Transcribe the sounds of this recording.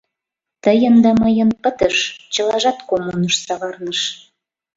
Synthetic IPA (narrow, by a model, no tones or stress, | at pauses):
t̪əjənd̪ɑməjə̆npət̪əʃt͡ɕəlɑʒɑt̪komunəʃsɑʁɑrnəʃ